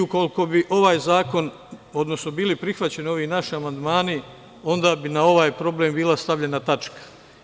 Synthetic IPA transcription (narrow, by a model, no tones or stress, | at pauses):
uko̞liko̞biʔo̞ʋaːjzaːko̞n | o̞d̪no̞sno̞biːlipɾixʋat͡ɕe̞nio̞ʋiːnaʃiamand̪maːni | o̞nd̪aːbinao̞ʋaːjpɾo̞blembiːlˠast̪aʋʎe̞nat̪at͡ʃkḁ